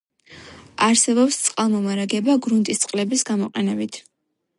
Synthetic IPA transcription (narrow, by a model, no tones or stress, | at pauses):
aɾsɛbɔpst̪sʼqʼalˠmɔmaɾaɡɛbaɡɾunt̪ʼist̪sʼqʼlɛbisɡamɔqʼɛnɛbit̪ʰ